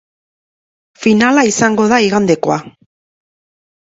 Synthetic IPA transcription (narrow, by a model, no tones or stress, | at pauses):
finalaisaŋɡo̞ðaiɣand̪e̞ko̞a